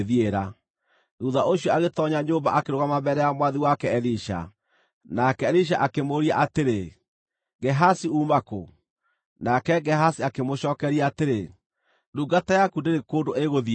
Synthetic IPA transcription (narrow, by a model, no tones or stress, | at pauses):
ðieɾa | duːðaʔoɕiɔaɣetɔɲaɲoːmba̰ʔakeɾoɣamabɛɾɛjamwaðiwakɛɛliʃa̰ | nakɛːliɕ̬aʔakemoɾiaʔateɾe | ɡɛɦasiuːmako̰ | nakɛɡɛhasiakemoʃɔːkɛɾiaːteɾe | duɡatajakundeɾekoːndoeɣoði